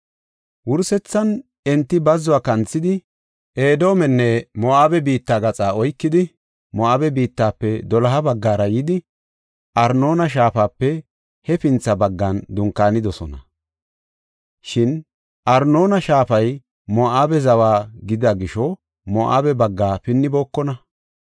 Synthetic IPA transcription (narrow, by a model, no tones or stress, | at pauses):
wʊɾsɛt͡sːɐn | ɛnt̪ːɪbɐzːʊaːkɐnt͡sːɪd̪ɪ | ʔeːd̪o̞ːmɛnːɛmɔaːbɛbiːt̪ːaːɡɐt͡sʼaːɔjkːɪd̪ɪ | mɔaːbɛbiːt̪ːaːpːɛd̪ɔlɐɦɐbɐɡːaːɾɐjɪd̪ɪ | ʔɐɾno̞ːnɐʃ̬aːfaːpːɛ | hɛpɪnt͡sːɐbɐɡːɐnd̪ʊŋkːaːnɪd̪ɔsɔnɐ | ʃɪn | ʔɐɾno̞ːnɐʃaːfɐj | mɔʔaːbɛzɐwaːɡɪd̪aɡɪʃɔ | mɔʔa̰ːbɛbɐɡːaːpɪnːɪboːkːɔnɐ